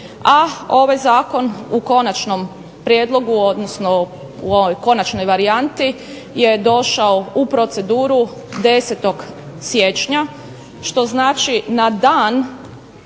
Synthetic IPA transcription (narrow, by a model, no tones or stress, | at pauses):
ao̞ʋajzaːko̞nuko̞nat͡ʃno̞m | pɾjeːd̪lˠo̞ɡuod̪nosno | uoʋojko̞nat͡ʃno̞jʋaɾiant̪i | je̞d̪o̞ʃaoupɾo̞t̪se̞d̪uːɾu | d̪e̞set̪o̞ɡ | sjet͡ʃɲa | ʃt̪o̞znaːt͡ʃinad̪aːn